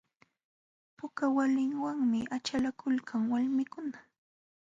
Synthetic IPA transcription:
pʊkawalɪŋwaŋmɪʔat͡ʃalakʊlkʰaŋwalmɪkʊna

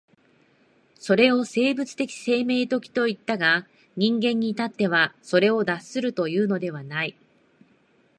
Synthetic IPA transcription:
so̞ɾe̞o̞se̞ːbɯ̟t͡sɨ̥t̪e̞kʲi̥se̞ːme̞ːt̪o̞kʲi̥t̪o̞it̪ːaɡa | ɲ̟ĩŋɡẽ̞ɲ̟ːit̪at̪ːe̞βaso̞ɾe̞o̞d̪asːɨɾɯ̟t̪o̞jɯ̟ːno̞d̪e̞βanai

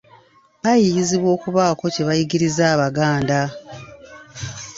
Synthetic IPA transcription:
ajijiziβwo̞ːkuβaːko̞ce̞βajiɡiɾizaːβaɡaːnda

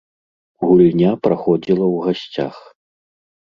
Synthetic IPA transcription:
ɣulʲnʲapɾaxɔd͡zʲilˠɐwɣasʲt͡sʲa̰x

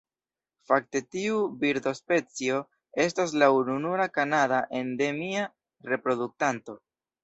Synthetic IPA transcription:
fak̚te̞tiubiɾdo̞spe̞t͡sio̞ | e̞s̬tas̬laununuɾakanadaʔe̞nde̞mia | ɾe̞pɾo̞duk̚tanto̞

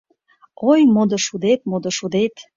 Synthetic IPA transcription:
ojmod̪oʃud̪et̪̚mod̪oʃud̪et̪

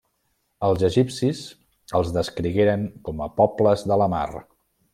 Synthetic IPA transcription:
əlˠzəʒipsiz | əlˠzðəskɾiɣeɾəŋkɔməpɔbləzðələma̰r

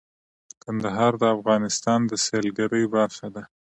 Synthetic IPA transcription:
kand̪aɦɑɾd̪əafɣɑnɪst̪ɑnd̪əselɡaɾəjbaɾxad̪a

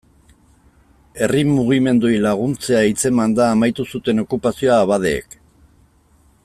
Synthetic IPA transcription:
e̞rimːuɣ̞ime̞nd̪uijlaɣ̞unt͡se̞ait͡se̞mand̪aːmajt̪usut̪e̞no̞kupasioaβaðe̞̰ːk

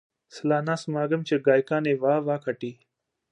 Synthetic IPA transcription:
slaːnaːsmaːɡəmt͡ʃeɡaːjkaːneːʋaːʋaːkʰɐʈiː

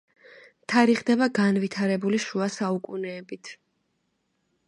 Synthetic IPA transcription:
t̪ʰaɾiχd̪ɛbaɡanvit̪ʰaɾɛbuliʃuasaukʼunɛːbit̪ʰ

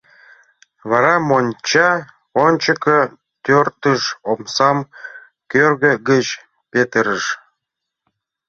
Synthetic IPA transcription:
βɑɾɑmonʲt͡ɕɑ | onʲt͡ɕəkə | t̪ørt̪əʃomsɑm | kørɣəɡət͡ɕ | pet̪əɾəʃ

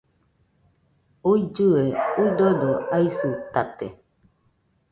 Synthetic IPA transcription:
ud͡ʒuweudodoaisɨtatḛ

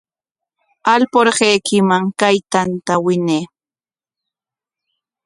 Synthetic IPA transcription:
alpoɾɢejkɪmaŋkajt̪ant̪awɪneː

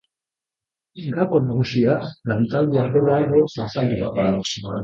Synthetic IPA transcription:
ŋɡakonaɣusialant̪ald̪uaroɾajɣosasald̪uβapao

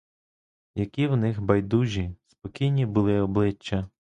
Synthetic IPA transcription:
jɐkʲiwnɪxbɐjd̪uʒʲispɔkʲijnʲibʊlˠɪɔblˠɪt͡ʃːɐ

